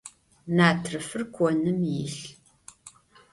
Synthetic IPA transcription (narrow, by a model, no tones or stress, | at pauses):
naːtʰrɨfɨrkʷʰʼɔnɨmjɪɬ